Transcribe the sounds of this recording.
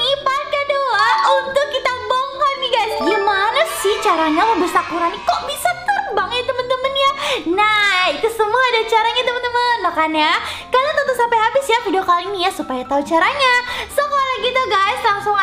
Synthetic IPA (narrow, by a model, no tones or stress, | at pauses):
ipankaduaunt̪ʊkːit̪aboŋɔt̪̚niɡajsɡimanasɪht͡ʃaɾaɲaməbəsakuɾanikoʔbisat̪ərbaŋat̪əmənt̪əmmənjanait̪usəmuaːdat͡ʃaɾaɲat̪əmənt̪əmənlakanjakalot̪ənt̪əsampajɦabɪsjafidiokaliːnijasupajat̪aut͡ʃaɾaɲasokolaɡit̪uɡajslaŋsʊŋ